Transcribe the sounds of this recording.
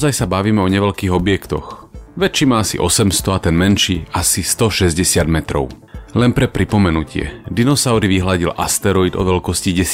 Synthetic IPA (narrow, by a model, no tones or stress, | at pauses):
zajsabaʋiːmɛɔɲɛʋɛʎkiːɣɔbɪɛkt̪ɔ̰xʋɛt̪t͡ʃiːmaasḭʔɔsɛmst̪ɔat̪ɛnmɛnʃiːasist̪ɔʃɛzɟɛsɪad̪mɛt̪ɾɔ̰ʊ | lɛnpɾɛpɾipɔmɛnucʰɪɛ̰d̪inɔsaʊɾiʋiɦlaɟilʔast̪ɛɾɔid̪ɔ̰ʋɛlkɔsciɟɛs